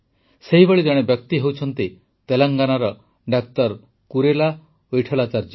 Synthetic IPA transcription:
seɦibeɭid̪eɽ̃ebjɔk̚t̪iɦewt͡ʃʰɔnt̪i | t̪elaŋɡanaɾɔ | ɖak̚t̪ɔɾ | kuɾela | ojʈʰɔlat͡ʃaɾd͡ʒ

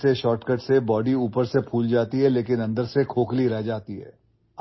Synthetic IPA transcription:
seʃɔːʈkəʈsebɔːɖiuːpəɾsepʰuːld͡ʒaːt̪iɦɛleːkɪnɐ̃nd̪əɾsekʰoːkliɾɛɦd͡ʒaːt̪iɦɛ̰ː

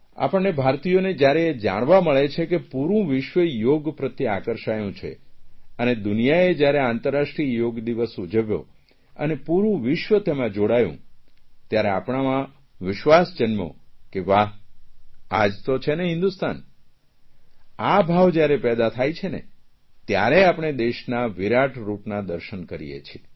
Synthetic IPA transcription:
a̰pəɳːebʱaɾt̪ijoned͡ʒjaɾed͡ʒa̰ɽ̃ʋaməɭet͡ʃʰekepuɾũʋɪʃʋəjoɡpɾət̪iakəɾʃajũt͡ʃʰḛəned̪unijaed͡ʒjaɾeãnt̪əɾːaʃʈɾijoɡd̪iʋəsud͡ʒəʋjo̰ | ə̰nepuɾũʋɪʃʋət̪emãd͡ʒoɽajṵ̃t̪jaɾeapɳ̃amã | ʋɪʃʋasd͡ʒənmo̰keʋaɦ | a̰d͡ʒt̪ot͡ʃʰeneɦɪ̃nd̪ust̪ʰan | abʱaʋd͡ʒjaɾepɛd̪at̪ʰajt͡ʃʰenḛ | t̪ja̰ɾeapɽ̃ed̪eʃnaʋiɾaʈʰɾupnad̪əɾʃənkəɾḭjḛt͡ʃʰie

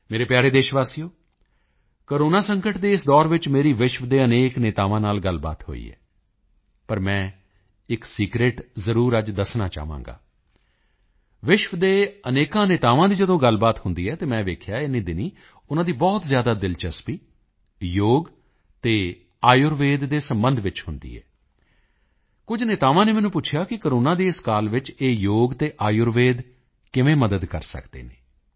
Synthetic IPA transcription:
meːɾeːpjaːɾeːd̪eːʃʋaːsijoː | koːɾoːnaːsəŋkəʈd̪eːɪsd̪ɔːɾʋɪt͡ʃmeːɾiːʋɪʃʋd̪eːəneːkneːt̪aːʋãːnaːlɡəlba̰ːt̪ɦo̰ːḭːɛ̰ː | pəɾmɛ̃ː | ɪksiːkɾeːʈzəɾuːɾəd͡ʒd̪əsnaːt͡ʃa̰ːʋã̰ːŋɡa̰ː | ʋɪʃʋd̪eːəneːkãːneːt̪aːʋãːd̪iːd͡ʒəd̪õːɡəlbaːt̪hʊnd̪iːɦɛːt̪eːmɛ̃ːʋeːkʰjaːɪniːd̪ɪniː | ʊnãːd̪iːbɔːt̪zjaːd̪aːd̪ɪlt͡ʃəspiː | joːɡ | t̪eː | aːjʊɾʋeːd̪ːeːsəmbənd̪ʱʋɪt͡ʃhʊnd̪ḭːɦɛ̰ː | kʊd͡ʒnɪt̪aːʋãːneːmɛ̃ːnũːp̬ʊt͡ʃʰjaːkɪkəoɾoːnãːd̪eːɪskaːlʋɪt͡ʃeːjoːɡt̪eːʔaːjʊɾʋeːd̪ | kɪʋẽːməd̪əd̪kəɾsə̰kd̪ḛːneː

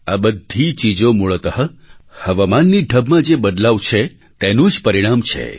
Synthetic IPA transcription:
abəd̪ʱit͡ʃid͡ʒomuɭət̪əɦəhəʋamanːiɖʱəbmãd͡ʒebəd̪laʋt͡ʃʰe | t̪enũd͡ʒpəɾiɽamt͡ʃʰḛ

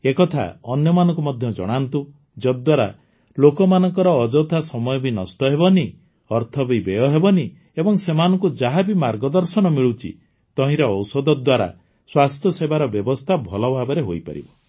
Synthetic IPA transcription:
ekɔt̪ʰa̰ɔnjɔmanɔ̃ŋkumɔd̪ʱjɔd͡ʒɔ̰ɽ̃ant̪u | d͡ʒɔd̪waɾa | lokɔmanɔŋkɔɾɔːd͡ʒɔt̪ʰasɔmɔjɔbinɔsʈɔɦebɔni | ɔɾt̪ʰɔbibejɔɦebɔni | ebɔŋsemanɔŋkud͡ʒaɦabimaɾɡɔd̪ɔɾsɔñɔmiɭut͡ʃʰḭ | t̪ɔɦĩɾɔːwsɔd̪ɔd̪waɾa̰ | swast̪ʰjɔsebaɾɔbjɔbɔst̪ʰabʱɔlɔbʱabɔɾeɦojpa̰ɾḭbɔ

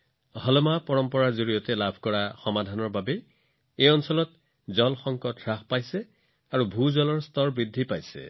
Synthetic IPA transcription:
ɦɔlmapɔɹɔmpɔɹaɹzoɹijɔtɛlabʱkɔɹaxɔmadʱanɔɹbabɛ | ejɔnsɔlɔt | zɔlxɔŋkɔtɹaxpajsɛ | aɹubʱuzɔlɔɹstɔɹbɹidʱipajsɛ̰

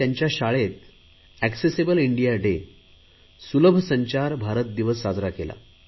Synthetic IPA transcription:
jaɲt͡ɕjaɕaɭet̪̚ | æksesebəliɳɖijaɖe | suləbʱsəɲt͡ɕaɾbʱaɾət̪̚d̪iʋəsːad͡zʱɾakela̰

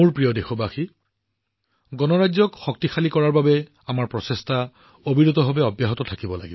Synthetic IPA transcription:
muɹpɹijɔdexɔbaxi | ɡɔnɔɹazɔkxɔk̚tixalikɔɹaɹbabɛ | amaɹpɹɔsesta | obʱiɹut̪ɔbʱɔbɛɔbjaɦɔtɔtʰakibɔla̰ɡibɔ

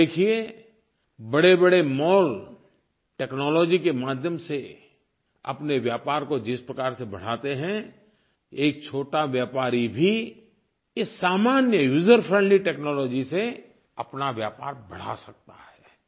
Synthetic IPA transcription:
eːkʰie | bɐɽebɐɽemɔːl | ʈɛːknɔːlɔːd͡ʒikemaːd̪ʱjəmse | ɐ̰pneʋjaːpaːɾkod͡ʒɪspɾɐkaːɾsebɐɽ̤aːt̪eɦɛ̃ | eːk̚t͡ʃʰoːʈaʋjaːpaːɾibʱi | ɪsːaːmaːnjəjuːzəɾfʰɾɛ̃ɳɖliʈɛːknɔːlɔːd͡ʒise | ɐpnaʋjaːpaːɾbɐɽ̤a̰sɐk̚t̪ahɛː

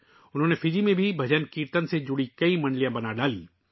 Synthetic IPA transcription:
ʊnɦõːnefʰɪd͡ʒimẽbʱibʱɐd͡ʒənkiːɾt̪ənsed͡ʒʊɽikɐimɐ̃ɳɖlijãbɐnaɖaːliː

